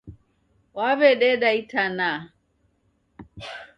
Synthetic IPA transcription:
waβɛɗɛɗaitana

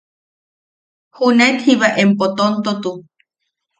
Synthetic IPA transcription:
hunet̪hiβaʔempot̪ont̪ot̪u

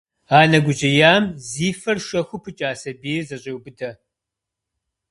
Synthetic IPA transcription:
aːnɐɡʷʊt͡ʃʼɐjaːmziːfɐrʃɐxʷʊpʰɨt͡ʃʼaːsɐbiːzɐɕʼewbɨdɐ

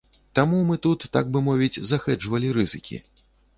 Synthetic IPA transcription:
t̪amumɨt̪ut̪ːaɡ̚bɨmɔvʲid͡zʲzaxɛt͡ʂvɐlʲiɾɨzɨ̰kʲḭ

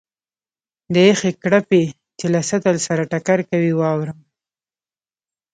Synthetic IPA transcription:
d̪əexekɽape | t͡ʃelasat̪alsaɾaʈakaɾkawiwɑwɾəm

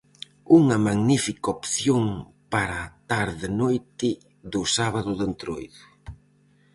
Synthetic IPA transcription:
uŋɐmaɣnifikɐopθjoŋ | paɾat̪aɾðɪnojt̪ɪ | ðʊsaβaðʊðent̪ɾojðʊ

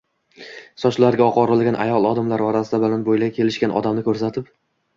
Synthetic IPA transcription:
sɒt͡ʃlaɾɡʲaɒqɒɾɪlɡʲanʔa̰jɒlˠɒd̪ɪmlaɾɒɾasɪd̪abɪlanbojlakʲʰe̞lɪʃkʲanʔɒ̰d̪amnɪkʰɵɾsat̪ʰɪp

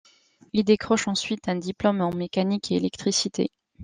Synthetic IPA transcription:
ild̪ekχɔʃɑ̃sɥit̪ɛ̃d̪iplɔmɑ̃mekanikeelɛkt̪χisit̪ḛ

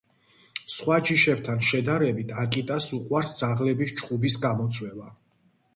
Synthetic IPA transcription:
sχwad͡ʒiʃɛb̚t̪ʰanʃɛd̪aɾɛbit̪ʰakʼit̪ʼasuqʼwaɾsd̪z̥aʁlɛbist͡ʃqʼubisɡamɔt̪sʼʰwɛva

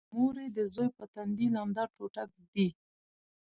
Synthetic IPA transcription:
moɾed̪əzojpət̪and̪iland̪aɾʈoʈak̚d̪i

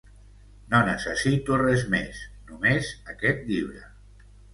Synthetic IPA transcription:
nonəsəsit̪urezmḛsnumezəkɛt̪̚ʎiβɾə

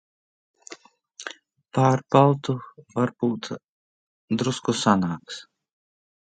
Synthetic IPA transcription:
paːɾpalˠt̪uvaɾb̥uːt̪ | d̪ɾuskusanaːks

